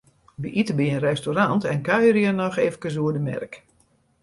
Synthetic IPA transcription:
biʔitəbiənrɛstoɾantɛnkœɥəɾjənɔxeːvəkəs̬uədəmɛ̰rk

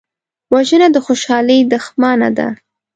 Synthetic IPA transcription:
waʒənad̪əxoʃɑləjd̪əxmɑna̰d̪a̰

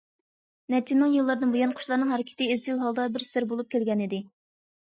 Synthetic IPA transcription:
nɛt͡ʃʰimɨŋjɨlˠːɑɾd̪ɨnbujɑnqʰʊ̥ʃlˠɑɾnɨŋɦɛɾɪkʲʰɪ̥t̪ɪːzd͡ʒilˠɦɑlˠd̪ɑbɪɾsɪɾbolˠup̚kʲelɡʲɛnid̪ɪ

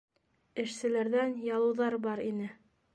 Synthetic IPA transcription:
ɘ̆ʃsɘ̆læɾðænjɑlˠɤ̆wðɑɾbɑɾinɘ

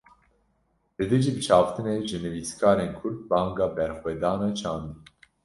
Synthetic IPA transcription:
lɨd̪eʒiːbɨt͡ʃʰɑːvt̪ʰɨneʒɨnɨviːskʰɑːɾeːnkʰʊɾd̪̚bɑːŋɡɑːbɛɾxwɛːd̪ɑːnɑt͡ʃʰɑːnd̪i

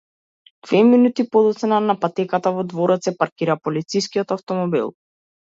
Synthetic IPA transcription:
d̪̥vɛminut̪ipɔd̪ɔt̪sɛnanapat̪ɛkat̪avɔd̪vɔɾɔt̪sɛpaɾkiɾapɔlit̪siskiɔt̪aft̪ɔmɔbḭlˠ

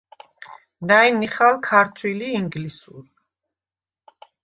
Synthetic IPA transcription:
najniχalˠkʰaɾt̪ʰwiliːŋɡlisuɾ

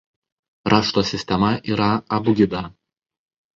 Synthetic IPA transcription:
ɾʔɑːʃt̪oːsʲɪsʲt̪ʲɛmɐʔiːɾɐɐbʊɡʲɪd̪ɐ

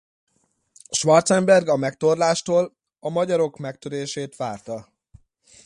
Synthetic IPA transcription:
ʃʋɒrt̪sɛmbɛrɡɒmɛk̚t̪o̞rlaːʃt̪oːl | ɒmɒɟɒɾo̞kmɛk̚t̪øɾeːʃeːt̪ʋaːrt̪ɒ

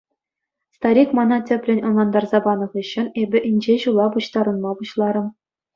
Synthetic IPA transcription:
st̪ɑɾʲikmɑnɑtʲɘ̆pʲlʲɘ̆nʲɤ̆nlˠɑnd̪ɑrzɑbɑnɤ̆ʁɤ̆ɕːɤ̆nebʲɘ̆ʔinʲd͡ʑeʑulˠɑpuɕt̪ɑɾɤ̆nmɑpuɕlˠɑɾɤ̆m

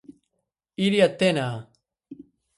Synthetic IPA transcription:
iɾiat̪ːenaː

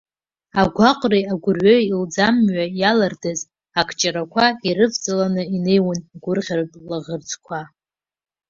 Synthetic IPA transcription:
aɡʷaqʷʼrejaɡʷʊrɥojild͡zamɥajalardaz | akʰt͡ʃʼaɾakʷʰaiɾɨvt͡sʼalanɨine̞jwanɡʷʊrʁʲarpʼlaʁərd͡zʰʼkʷʰa

